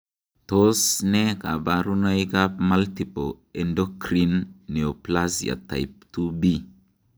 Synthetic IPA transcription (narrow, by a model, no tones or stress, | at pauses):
t̪osnekabaɾunajkapmalt̪ipo | ɛndokɾinːeoplasia̰ta̰jp̚t̪ubi